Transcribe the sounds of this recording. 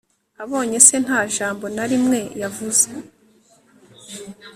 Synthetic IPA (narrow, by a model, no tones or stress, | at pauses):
aβo̞ːɲe̞se̞n̥haːʒaːmbo̞naɾimŋe̞javuze